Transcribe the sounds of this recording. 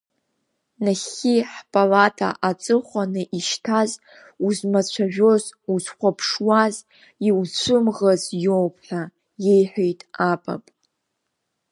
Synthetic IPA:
naχiħpʼalatʰa̰ʔat͡sʼɨχʷanɨʔiʃtʰaz | uzmat͡ɕʷʰaʒᶣo̞zuzχʷapʰʂwaz | iwt͡ɕʷʰɨmʁazjowpʰħᶣa | je̞jħʷᶣejtʼapʼa̰pʼ

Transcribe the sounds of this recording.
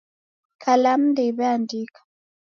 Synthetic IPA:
kʰalam̩ndɛiβɛandikḁ

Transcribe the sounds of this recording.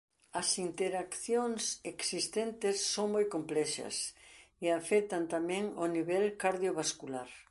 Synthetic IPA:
ɐsint̪eɾakθjoŋseksist̪ent̪ɪsːoŋmojkomplɛʃɐ̰seafɛt̪ant̪amɛ̃ŋoniβɛlkaɾðjoβaskulaɾ

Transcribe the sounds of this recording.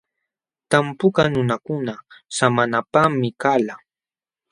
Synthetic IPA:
t̪ampʊkanʊnakʊnasamanapamɪkala

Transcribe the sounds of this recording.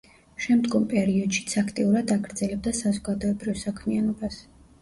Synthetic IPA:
ʃɛmd̪ɡɔmpʼɛɾiɔd̪̥ʃit̪sʰakʰt̪ʼiuɾad̪aɡɾd̪zɛlɛb̚d̪asazɔɡad̪ɔɛbɾivsakʰmianɔbas

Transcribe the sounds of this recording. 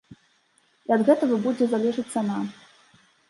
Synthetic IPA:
iɐd̪ɣɛt̪ɐɣɐbud͡zʲɛzalʲɛʐɨt͡ssʲːɐna

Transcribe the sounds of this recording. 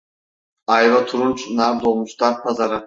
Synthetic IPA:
ajvat̪ʰuɾunt͡ʃʰnabd̪olˠmuʃt̪aɾpʰazaɾa

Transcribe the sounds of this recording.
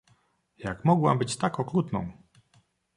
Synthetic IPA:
jakmɔɡwambɘt͡ɕt̪akɔkɾut̪nɔ̃w̃

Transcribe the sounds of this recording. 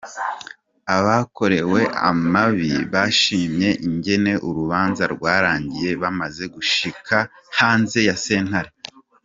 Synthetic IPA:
aβakʰo̞ɾe̞we̞ʔa̰maβiβaʃiːmɲe̞ʔiɲɟe̞ne̞ʔuɾuβaːnzaɾɡwaːɾaːɲɟije̞βamaze̞ɡuʃikʰa | haːnze̞jase̞ːn̥haɾe

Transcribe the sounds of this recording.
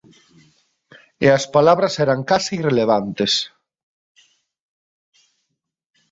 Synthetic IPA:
eɐspalaβɾɐsɛɾaŋkasiːreleβ̞ant̪es

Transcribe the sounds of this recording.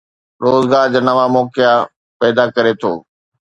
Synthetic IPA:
ɾoːzɡaːɾd͡ʑaːnɐʋamɔːkɪja | pɛːd̪akɐɾet̪ʰo̰ː

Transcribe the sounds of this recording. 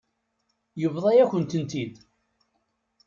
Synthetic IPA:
jəvðˤɑjæçʷənt̪ənt̪id̪

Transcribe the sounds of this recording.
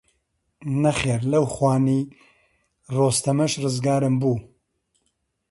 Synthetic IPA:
nɐχeːɾlɐwxwaːniː | roːst̪ɐmɐʃrɨzɡaːɾɨmbuː

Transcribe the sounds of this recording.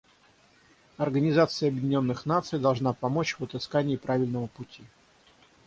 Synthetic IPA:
ɐrɡənʲɪzat̪sɨjəɐbjɪdʲɪnʲo̞nːɨxnat̪sɨjd̪ɐlˠʐnapɐmo̞t͡ɕvət̪ɨskanʲɪːpɾavʲɪlʲnəvəpʊtʲi

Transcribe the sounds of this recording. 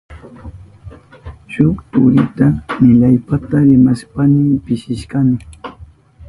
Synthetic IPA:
ʃʊkt̪ʊ̰ɾɪt̪amɪʎajpat̪aɾɪmaʃpanɪpɪʃɪʃkamɪ

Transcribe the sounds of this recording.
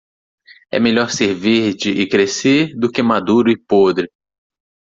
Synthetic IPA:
ɛ̰meʎɔɾseɾviɾd͡ʒɪʔɪkɾeseɾd̪ʊkɪmad̪uɾʊɪpod̪ɾɪ

